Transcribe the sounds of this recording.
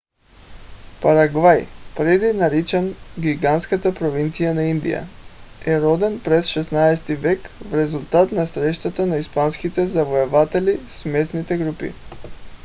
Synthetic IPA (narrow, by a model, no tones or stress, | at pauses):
paɾaɡvajpɾɛd̪inaɾit͡ʃɛnɡʲiɡanskat̪apɾovint̪sijanaind̪ḭja̰ɛɾɔd̪ɛnpɾɛsʃɛsnaɛst̪ivɛkvɾɛzulˠt̪at̪nasɾɛʃt̪at̪anaispanskit̪ɛzavoɛvat̪ɛlismɛsnit̪ɛɡɾupḭ